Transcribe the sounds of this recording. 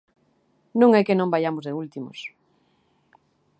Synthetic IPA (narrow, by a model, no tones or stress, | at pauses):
nũŋɛkenõmbajamozðeult̪imo̰s